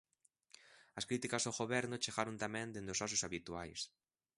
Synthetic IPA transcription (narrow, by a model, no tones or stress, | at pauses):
ɐskɾit̪ikazoɣoβɛɾnʊt͡ʃeɣaɾont̪amɛ̃nd̪end̪osɔsʊsaβit̪uajs